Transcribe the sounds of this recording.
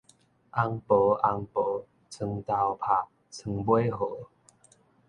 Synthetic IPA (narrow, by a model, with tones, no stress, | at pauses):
ʔa˧ŋpo˨˦ʔa˧ŋpo˨˦ | t͡sʰɨ˧˩ŋt̪a˧wpʰa˨˩k̚ | t͡sʰɨ˧ŋbwe˦jɦo˨˦